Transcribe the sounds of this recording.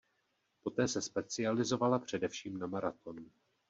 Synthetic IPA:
po̞t̪ɛːsɛspɛt͡sɪalɪzo̞valapr̝̥ɛdɛfʃiːmnamaɾat̪o̞nu

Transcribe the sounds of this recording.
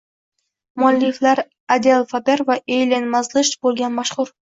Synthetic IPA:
mʊalːɪflaɾ | ad̪ealˠfapeɾvaʔejlʲenmazlˠɨʃt̪bolˠɡʲanmaʃχʊɾ

